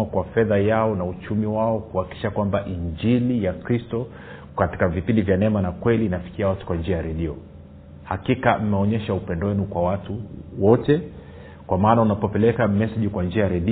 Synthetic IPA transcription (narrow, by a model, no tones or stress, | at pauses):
akwafɛðajaɔnaut͡ʃumiwaɔkuhakiki̥ʃakwambaʔiɲd͡ʒilijakɾistɔ | kati̥kavipindivjanɛmanakwɛliːnafi̥kiawatu̥kwand͡ʒiajaɾɛɗiɔ | hakikam̩mɛɔɲɛʃaupɛndɔwɛnukwawatuwɔtɛ | kwamaːnaunapɔpɛlɛkamɛsɛʄikwand͡ʒiajaɾɛɗi